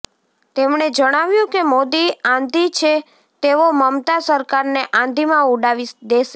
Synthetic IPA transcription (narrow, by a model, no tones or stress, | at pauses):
t̪emɳ̃ed͡ʒəɽ̃aʋjũkemod̪iãnd̪ʱit͡ʃʰe | t̪eʋoməmt̪asəɾkaɾneʔãnd̪ʱimãuɖaʋid̪eʃe